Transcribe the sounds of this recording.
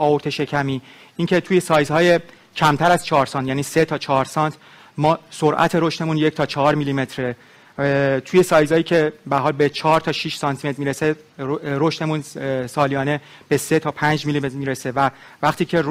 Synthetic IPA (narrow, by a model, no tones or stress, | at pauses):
ɒːoɾt̪ʰe̞ʃe̞cʰæmiː | iːŋcʰe̞t̪ʰuːje̞sɒːjzhɒːje̞ | cʰæmt̪ʰæɾæzt͡ʃʰɒːɾsɒːnt̪jæːniːse̞t̪ʰɒːt͡ʃʰɒːɾsɒnt̪ | mɒːsoɾʔæ̰t̪ʰe̞ɾoʃt̪e̞munje̞cʰt̪ʰɒːt͡ʃʰɒɦɒːɾmilime̞t̪ʰɾe | t̪ʰuːje̞sɒːjzɒːjiːcʰe̞bææɾɦɒːlbet͡ʃʰɒːɾt̪ʰɒːʃiʃsɒːnt̪ʰimet̪ɾmiːɾese | ɾoʃt̪e̞munsɒːlijɒːne̞ | b̥e̞set̪ʰɒːpʰænd͡ʒmilimet̪ɾmiːɾese̞vævæχt̪iːcʰe̞